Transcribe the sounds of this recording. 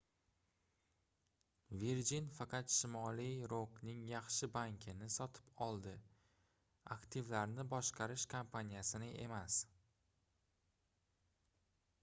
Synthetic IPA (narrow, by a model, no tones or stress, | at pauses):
veɾd͡ʒinfɑqʰɑt̪ʃɪmɒlijɾoknɪŋjɑχʃɪbaŋkʲʰɪnɪsɒt̪ʰɪ̥pɒlˠd̪ɪ | a̰kt̪ʰɪvlaɾnɪbɒʃqʰɑɾɪʃkʰampʰanijasɪnɪʔe̞mas